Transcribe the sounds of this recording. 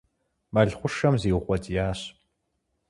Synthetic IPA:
mɐɮχʷʊʂɐmziːwχʷɔtʰʼjaːɕ

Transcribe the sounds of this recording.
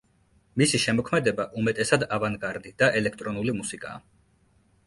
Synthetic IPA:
misiʃɛmɔkʰmɛd̪ɛbaʔumɛt̪ʼɛsad̪avaŋɡaɾd̪id̪̥aʔɛlɛkʰt̪ʼɾɔnulimusikʼa̰ː

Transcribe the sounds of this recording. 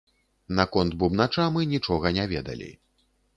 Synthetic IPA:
nakɔnd̪̚bubnat͡ʂamɨnʲit͡ʂɔɣɐnʲavʲɛd̪ɐ̰lʲḭ

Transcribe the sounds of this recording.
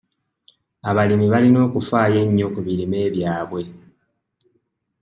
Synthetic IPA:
aβalimiβalino̞ːkufaːje̞ɲːo̞kuβiɾime̞ːβjaːβwe̞

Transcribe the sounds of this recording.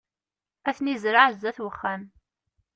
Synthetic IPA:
æθnizɾaʕzæθwəχːæn

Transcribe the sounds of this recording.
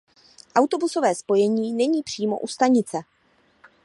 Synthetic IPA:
ʔawt̪o̞buso̞vɛːspo̞jɛɲiːnɛɲiːpr̝̥iːmo̞̰ʔust̪aɲɪt͡sɛ

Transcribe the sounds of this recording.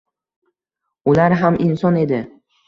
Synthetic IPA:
ʊlaɾɦamʔɪnsɒne̞d̪ɪ

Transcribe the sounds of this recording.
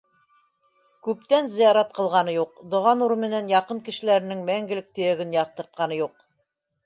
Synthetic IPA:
kʉp̚t̪ænzɤ̆jɑɾɑt̪̚qɤ̆lˠʁɑnɤjuqd̪ŏʁɑnuɾmɘ̆nænjɑqɤŋkɘ̆ʃɘ̆læɾɘ̆nɘŋmæŋɡɘ̆lɘk̚t̪ɵ̆jæɡɘnjɑq̚t̪ɤ̆ɾt̪̚qɑnɤjuq̚

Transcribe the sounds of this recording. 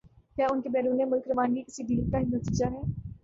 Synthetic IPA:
kjaːʊnkebɛːɾuːnemʊlkɾɐʋaːnɡikɪsiɖiːɾkaɦinɐt̪iːd͡ʒaɦɛː

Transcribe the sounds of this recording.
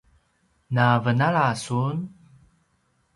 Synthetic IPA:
navənaɭasun

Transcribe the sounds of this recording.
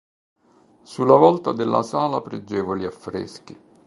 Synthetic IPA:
sulːavɔlt̪ad̪elːa̰saːlapɾed͡ʒːɛːvoliafːɾɛ̰ski

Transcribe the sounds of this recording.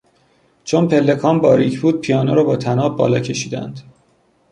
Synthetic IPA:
t͡ʃʰonpʰe̞lːe̞kʰɒːmbɒːɾḭcʰbuːd̪̥̚pʰijɒːnoɾɒːbɒːt̪ʰænɒːb̚bɒ̰ːlɒːcʰe̞ʃiːd̪æ̰nd̪̥

